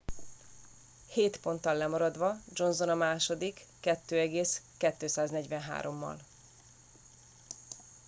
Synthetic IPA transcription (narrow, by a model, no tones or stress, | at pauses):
heːt̪po̞nt̪ɒlːɛmɒɾɒd̪ʋɒd͡ʒo̞nzo̞nɒmaːʃo̞d̪ikːɛt̪ːøːɛɡeːskɛt̪ːøːsaːznɛɟʋɛnɦa̰ːɾo̞mːɒ̰l